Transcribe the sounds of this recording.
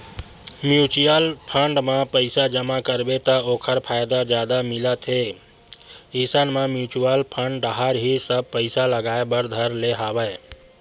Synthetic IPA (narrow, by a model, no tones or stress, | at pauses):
mjut͡ʃijəlpʰəɳɖmãpəɪsad͡ʒəmakəɾbet̪aokʰəɾpʰajd̪ad͡ʒjad̪amɪlət̪ɦe | isənmẽmjut͡ʃuəlpʰə̃ɳɖəɦaɾɦisəb̚pəɪsaləɡaebəɾd̪ʱəɾleɦabəj